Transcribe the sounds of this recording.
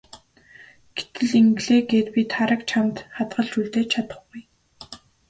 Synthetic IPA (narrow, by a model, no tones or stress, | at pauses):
ɡ̥et̪ɘ̆ɮiŋɡɮeːɡeːt̪pit̪χaɾə̆kt͡ɕʰamt̪χat̪ɢə̆ɮt͡ɕuɮt̪eːt͡ɕʰat̪ə̥̆χɡuj